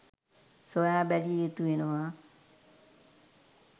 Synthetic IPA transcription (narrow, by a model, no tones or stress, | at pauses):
sojaːbæliet̪uʋenəʋa